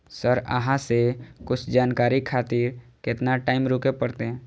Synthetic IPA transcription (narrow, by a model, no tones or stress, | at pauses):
səɾə̰ɦãsekʊt͡ʃʰd͡ʒaːnkaːɾikʰaːt̪iːɾkɪt̪naʈaːɪmɾoːkepəɽt̪eɦɛ̃ː